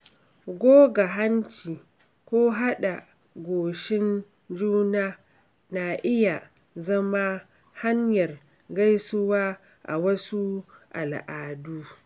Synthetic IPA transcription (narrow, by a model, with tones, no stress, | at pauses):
ɡʷoː˦ɡa˨ɦa˦nt͡ʃiː˨ | kʷoː˦ɦa˦ɗa˨ | ɡʷoː˨ʃɪ˦n | d͡ʒuː˦naː˦ | na˨ʔɪ˦ja˨ | zɐ˦ma˦ | ha˦ɲjɐ˨r | ɡa˦jsʊ˦waː˦ | ʔa̰˨wɐ˦su˦ʔa˨lʔaː˨duː˦